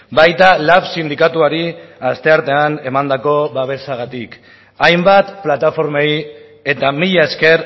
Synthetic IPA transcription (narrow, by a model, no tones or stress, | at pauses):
bajt̪alafsind̪ikat̪uaɾiast̪e̞aɾt̪e̞ane̞mand̪ako̞βaβ̞e̞saɣ̞at̪ik | ajmbat̪plat̪afo̞ɾmej | e̞t̪amiʎaeske̞ɾ